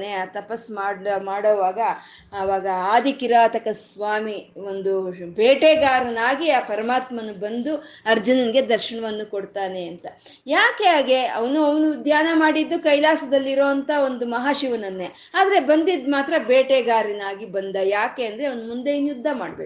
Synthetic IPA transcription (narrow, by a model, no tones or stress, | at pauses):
neat̪ɐpɐsmaːmaːɽoːʋaːɡɐː | ʋaːɡɐaːd̪ikiɾaːt̪ɐkɐsʋaːmio̞nd̪ubeːʈeːɡaːɾɐnaːɡiaːpɐɾɐmaːt̪mɐnːubɐnd̪u | ɐɾd͡ʒɐnɐniɡe̞d̪ɐɾʃɐɳɐʋɐnːukoɽt̪aːne̞ɐnt̪ɐ | jaːkeaːɡe̞ɐ̰ʋɐnuɐʋɐnud̪jaːnɐmaːɽid̪ːukɐjlaːsɐd̪ɐlːiɾo̞ːɐnt̪ɐo̞nd̪umɐɦaːʃiʋɐnɐnːe | aːd̪ɐɾe̞bɐnd̪id̪maːt̪ɾɐbeːʈeːɡaːɾɐnaːɡibɐnd̪ɐjaːke̞ɐnd̪ɾeɐʋɐnumund̪e̞injud̪ʱːɐma̰ːɽbeː